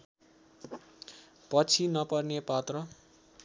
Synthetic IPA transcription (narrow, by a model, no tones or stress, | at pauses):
pʌt͡sʰinʌpʌrnepat̪rʌ